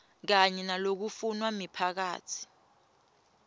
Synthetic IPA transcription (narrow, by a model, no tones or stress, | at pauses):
k̬aɲɛnalok̬ufunwamipʰak̬a̰ːtʰi̥